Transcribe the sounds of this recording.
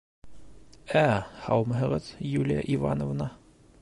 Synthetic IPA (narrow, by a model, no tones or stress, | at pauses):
æhɑwmɤ̆ɦɤ̆ʁɤðjʉlʲija̰ʔiva̰nŏvnɑ